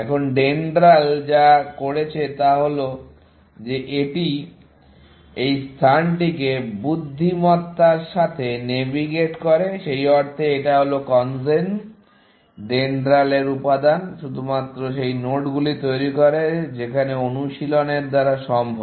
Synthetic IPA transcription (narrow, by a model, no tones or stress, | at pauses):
ɛkʰonɖenɖɾald͡ʑakoɽet͡ɕʰet̪aɦolo | d͡ʑeʔeʈi | ejst̪ʰanʈikebud̪ʱːimɔt̪ːaɾʃat̪ʰenebiɡeʈkɔɾeʃejɔɾt̪ʰeeʈaɦolokɔns̬en | ɖenɖɾaleɾupad̪anʃud̪ʱumat̪ːɾoʃejnoʈɡulit̪ojɾikoɾed͡ʑekʰaneonuʃiloneɾd̪aɾaʃɔmbʱo